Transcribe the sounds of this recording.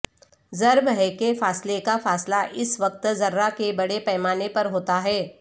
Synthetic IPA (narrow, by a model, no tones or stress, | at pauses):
zɐɾbɦɛkefaːslekafaːslaʔɪsʋɐq̚t̪zɐɾːakebɐɽepɛːmaːnepɐɾɦoːt̪aɦɛː